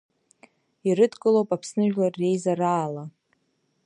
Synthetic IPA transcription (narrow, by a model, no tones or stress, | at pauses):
irɨdkʼɨlowpʼapʰsnɨʒᶣlarːe̞jzaraːla